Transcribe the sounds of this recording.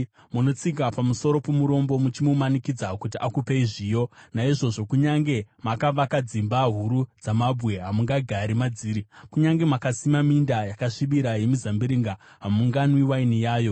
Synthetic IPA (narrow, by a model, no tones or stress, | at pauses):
muno̞t͡sik̬apamuso̞ɾo̞pomuɾo̞mbo̞mut͡ʃimumanikid͡zakutiʔakupeiʐijo̞naiʐo̞ʐo̞kuɲaŋɡe̞makaʋakad͡zimbaɦuɾud͡zamabʱwe̞ɦamuŋɡaɡʱaɾimad͡ziːɾikuɲaŋɡe̞makasimamindajakaʂiɓiɾaje̞mizambiɾiŋɡa | ɦamuŋɡanwiwainijaːjo̞